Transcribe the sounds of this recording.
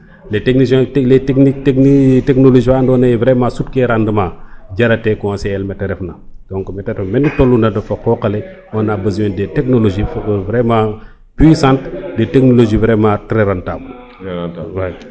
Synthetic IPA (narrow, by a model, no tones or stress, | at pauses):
lɛtɛknislɛtɛknik̚tɛknitɛknoloʒifandɔːnɐjivɾɛmãsut̚kɛɾandəmaɟɐɾɐtɛkɔnsɛlmɛtɛɾɛfnɐd̥ɔ̃ŋkmɛtɛɾɛfɐmɛnditolːundɐdɐfɐkɔːkɐlɛ | ɔnabɐziɛndɛtɛknoloʒifvɾɛmã | pwisãntdɛtɛk̚noloʒivɾɛmãtɾɛɾantab | wɐj